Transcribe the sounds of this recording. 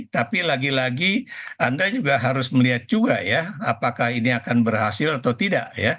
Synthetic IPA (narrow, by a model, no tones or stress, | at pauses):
t̪apilaɡilaɡiandad͡ʒuɡaɦaɾʊsməliɦat̪̚d͡ʒuɡajaapakahiniakanbərɦasɪlat̪awt̪ida̰ʔja